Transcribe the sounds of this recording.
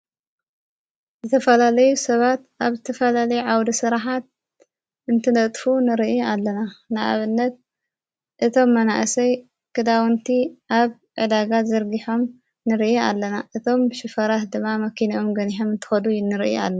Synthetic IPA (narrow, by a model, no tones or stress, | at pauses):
zɨt̪ʰɐfɐlalɐjusɐβat̪ʔaβzɨt̪ʰɐfɐlalɐjuʕawd̪isɨɾaħat̪̚ | ɨnt̪ʰɨnɐt̪ʼfunɨɾiʔalːɐnanɨʔa̰βɨnːɐt̪̚ | ʔɨt̪ʰo̞mːɐnaʔɨsɐj | kʰɨd̪awɨnt̪ʰiʔaβ | ʕɨd̪aɡazɐɾɡiħo̞m | nɨɾiʔia̰lːɐnaʔɨt̪ʰo̞mʃɪfɐɾat̪d̪ɨmːamɐkʰiniʔo̞mɡɐniħomɨnt̪ʰɨ̥xɐd̪ujnːɨɾiʔa̰lːɐ